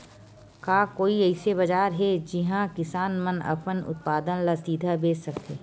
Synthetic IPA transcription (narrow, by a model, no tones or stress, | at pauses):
kaːkoːiɛɪsebɐd͡ʒaːɾɦɛd͡ʒɪɦãkɪsaːnmənɐ̰pənʊ̰t̪̚paːd̪ənlasiːd̪ʱabeːsɐkt̪eː